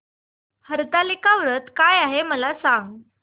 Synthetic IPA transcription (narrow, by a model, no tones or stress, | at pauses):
həɾt̪alikaʋɾət̪kajaɦeməlasãŋɡ